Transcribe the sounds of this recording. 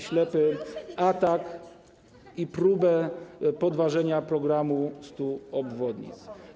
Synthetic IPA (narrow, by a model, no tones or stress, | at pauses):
ɕlɛpɘat̪ak | ipɾubɛpɔd̪vaʐɛɲapɾɔɡɾamust̪uɔbvɔd̪ɲḭt̪s